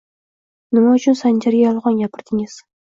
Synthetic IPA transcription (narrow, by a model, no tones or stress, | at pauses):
nɪmaʊt͡ʃʰʊnsand͡ʒaɾɡʲajɒlˠʁɒnjapʰɪɾd̪ɪŋɪz̥